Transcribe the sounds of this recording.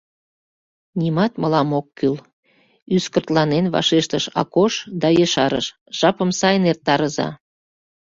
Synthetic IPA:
nimɑt̪məlɑmokːyl | yskərt̪lɑnenβɑ̰ʃeʃt̪əʃɑ̰koʃd̪ɑjeʃɑɾə̰ʃ | ʒ̥ɑpəmsɑjnert̪ːɑɾəzɑ̰

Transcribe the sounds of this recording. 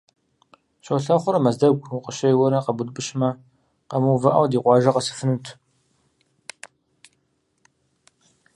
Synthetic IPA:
ɕɐwɬɐχʷʊɾɐmɐzdɐɡʷqəʃɐjwɔnɐqɐbʊdbɨʃmɐ | qɐmuwvɐʔɐ̰wdiːqʷɑːʒɐqɐsɨ̥fɨnɨtʰ

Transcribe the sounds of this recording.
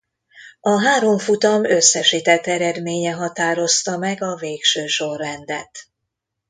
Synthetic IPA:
ɒɦaːɾo̞ɱfut̪ɒmøsːɛʃiːt̪ɛt̪ːɛɾɛd̪meːɲɛɦɒt̪aːɾo̞st̪ɒmɛɡɒveːkʃøːʃo̞rːɛnd̪ɛ̰t̪

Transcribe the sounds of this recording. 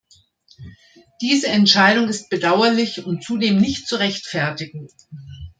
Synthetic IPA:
d̥iːzəɛntʃaɪɾʊŋɪst̚b̥ədaʊɐlɪçʊntt͡sudeːmnɪçtt͡suʁɛçtfɛɐtɪɡŋ̩

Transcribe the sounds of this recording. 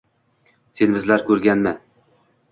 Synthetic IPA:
senbɪzlaɾkʰɵɾɡʲanma

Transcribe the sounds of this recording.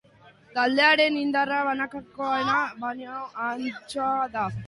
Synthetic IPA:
t̪ald̪e̞aɾe̞nind̪araβanakakoenaβaɲaant͡soaða

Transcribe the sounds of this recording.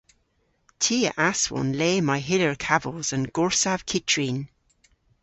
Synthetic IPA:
tʰiːə̰ʔaswɔ̰̃nleːmaɪɦɪləɹkʰavəlˠz̥ə̃nɡɔɹsav̥kʰɪtʰɹin

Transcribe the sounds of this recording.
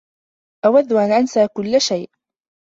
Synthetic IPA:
ʔawaðːʊʔanʕansaːkʊlːaʃajʔ

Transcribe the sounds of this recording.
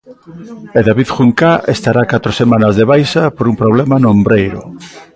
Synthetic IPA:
eðaβiðxuŋkaʔest̪aɾakat̪ɾosemãnɐzðeβajsapoɾumpɾoβ̞lɛmanʊombɾejɾʊ

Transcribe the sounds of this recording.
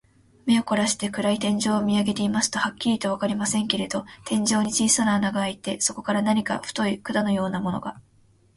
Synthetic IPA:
me̞oko̞ɾaɕi̥t̪e̞kɯ̟ɾait̪ẽ̞ɲ̟d͡ʑo̞ːmʲiaɡe̞t̪e̞imasɨ̥t̪o̞hakʲːiɾʲit̪o̞βakaɾʲimasẽŋke̞ɾe̞d̪o̞t̪ẽ̞ɲ̟d͡ʑo̞ːɲ̟it͡ɕiːsananaɡaːit̪e̞so̞ko̞kaɾanaɲ̟ika̰ɸɯ̥t̪o̞ikɯ̟d̪ano̞jo̞ːnamo̞no̞̰ɡa

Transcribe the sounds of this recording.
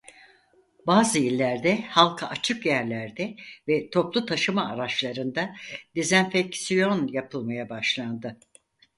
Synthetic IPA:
baːzɯilʲːæɾd̪ɛhalˠkʰaʔat͡ʃʰɯkjæɾlʲæɾd̪ɛvɛt̪ʰo̞plˠut̪ʰaʃɯmaːɾat͡ʃlˠaɾɯnd̪ad̪ezænfɛcsijo̞njapʰɯlˠmajabaʃlˠand̪ɯ

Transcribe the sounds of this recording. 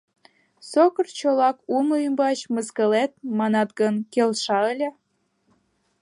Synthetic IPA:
sokərt͡ɕolɑkumluəmbɑt͡ɕməskəlet̪̚mɑnɑt̪ɡənkelʃɑəlʲĕ

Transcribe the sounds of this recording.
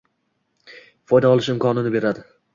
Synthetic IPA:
fɒjd̪aɒlˠɪʃɪmkʰɒnɪnɪbe̞ɾad̪ɪ

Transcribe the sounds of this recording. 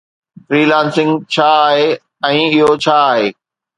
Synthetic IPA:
fɾiːlãːnsɪ̃ŋɡt͡ɕʰaːɦe | ɛ̃ːɪɦot͡ɕʰaːɦeː

